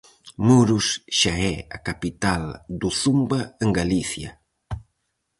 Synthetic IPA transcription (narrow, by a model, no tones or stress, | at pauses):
muɾusʃaɛa̰kapit̪ald̪uθumbaeŋɡaliθjɐ